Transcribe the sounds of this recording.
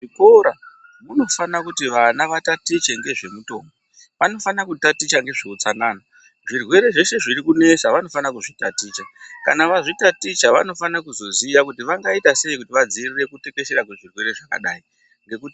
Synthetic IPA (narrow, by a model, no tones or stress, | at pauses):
ʐiko̞ɾa | muno̞fanakutiʋanaʋatatit͡ʃe̞ŋɡe̞ʐe̞muto̞̰ːmbo | ʋano̞fanakutatit͡ʃaŋɡe̞ʐiut͡sanaːna | ʐirwe̞ɾe̞ʐe̞ʃe̞ʐiɾikune̞saʋano̞fanakuʐitatiːt͡ʃakanaʋaʐitatit͡ʃaʋa̰no̞fanakuzo̞zijakutiʋaŋɡaitase̞ikutiʋad͡zirire̞kute̞keʃe̞ɾak̬we̞ʐirwe̞ɾe̞ʐaka̰ɗaːi | ŋɡe̞kuti